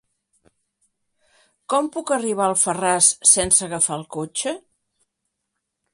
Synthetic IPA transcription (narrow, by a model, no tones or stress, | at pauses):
kɔmpukəriβ̞aəlˠfərasːensəɣəfaəlˠkot͡ʃə